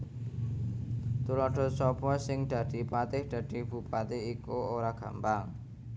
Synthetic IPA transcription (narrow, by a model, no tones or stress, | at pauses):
t̪ulɔɖ̥ɔ̤sɔb̥ɔsɪŋd̪̥ä̤d̪̥i̤pat̪ɪhd̪̥ä̤d̪̥i̤b̥ṳpat̪eikooɾaɡ̥a̤̰mbaŋ